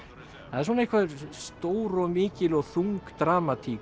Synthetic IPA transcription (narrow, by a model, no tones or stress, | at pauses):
haðɪɾs̬wɔnaehkvaðʏɾ̥st̪oːwɾɔɣmɪːcɪlɔɣθuŋkt̪ɾaːmat̪ʰiː